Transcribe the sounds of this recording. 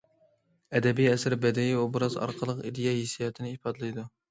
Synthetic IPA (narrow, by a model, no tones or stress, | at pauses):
ɛd̪ɛbijɛsɪɾbɛd̪ɛjiubɨɾɑzɑ̰ɾqʰəlˠəqid̪ijɛhisijɛt̪ʰɪnɪipʰɑd̪ɨlˠɨjd̪u